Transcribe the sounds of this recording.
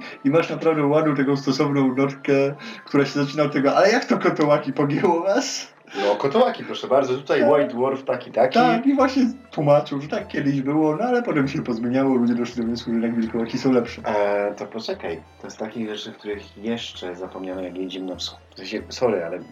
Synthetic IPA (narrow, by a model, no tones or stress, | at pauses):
imaʂnapɾavd̪ɛwad̪uwt̪akɔ̃w̃st̪ɔsɔvnɔ̃w̃nɔt̪kɛkt̪uɾaɕɛzat͡ʂinaɔt̪ːɛɡɔʔalɛjakt̪ɔkɔt̪ɔwakʲipɔɡʲɛwɔnas | nɔkɔt̪ɔwakʲipɾɔʂɛbaɾd̪zɔt̪ut̪ajmajd̪wɔɾft̪akʲit̪akʲt̪akivwaɕɲɛt̪wumat͡ʂɨwʐɛt̪akːʲjɛd̪ɪʑbɘwɔnɔalɛpɔt̪ɛmɕɛpɔzmʲeɲawɔlud͡ʑɛd̪ɔʂɛd̪ɔwɲɛswuʐɨnaɡvʲilkɔwakʲisɔ̃w̃lɛpʂɛt̪ɔpɔt͡ʂɛkajt̪ɔɛst̪akʲiɣʐɛt͡ʂɘfkt̪uɾɘxjɛʂt͡ʂɛzapɔmɲanɔjakjed͡ʑimnɔmsɔ̃ | sɛ̃ɕɛsɔɾɘalɛ